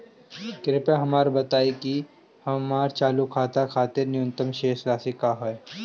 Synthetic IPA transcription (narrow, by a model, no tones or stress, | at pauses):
kɪɾɪpẽɦɐmaːɾbɐt̪aːeki | hɐmaːɾt͡ʃaːlukʰaːt̪akʰaːt̪ɪɾnɪjʊ̃nt̪əmʃeːslaːsekaːɦoe